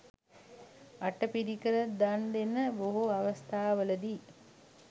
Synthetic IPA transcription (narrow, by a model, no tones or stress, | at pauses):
aʈəpiɾikəɾəd̪and̪enəboɦuaʋəst̪aːʋələd̪i